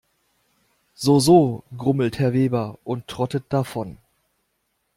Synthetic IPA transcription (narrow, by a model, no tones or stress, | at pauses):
z̥oːzoːɡʁʊml̩thɛɐveːbɐʔʊntʰːʁ̥ɔtət̚d̥afɔn